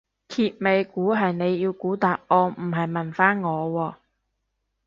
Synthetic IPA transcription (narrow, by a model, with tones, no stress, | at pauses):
kʰiː˧t̚me˨˧jkuː˨˥ɦɐ˨jne˨˧jːiː˧wkuː˨˥t̪aː˨p̚ʔɔː˧m̩˨˩ɦɐ˨˩jmɐ˨˩nfaː˥nŋɔː˨˧wɔː˧